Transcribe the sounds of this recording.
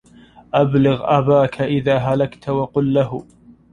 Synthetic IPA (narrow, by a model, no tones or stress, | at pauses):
ʔablʊɣʔabaːkʰaʔɪðaːɦalakt̪wɑqʊlːaɦʊ